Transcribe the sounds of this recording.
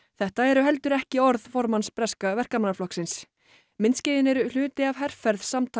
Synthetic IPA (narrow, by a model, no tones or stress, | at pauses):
θɛht̪aɛɾʏɦɛl̪t̪ʏɾɛhcɪɔɾðfɔɾmanspɾɛskavɛr̥kamanːaflɔhksɪns | mɪnscɪːðɪnɛɾʏl̥ʏːt̪ɪavɦɛr̥fɛɾðsamt̪ʰ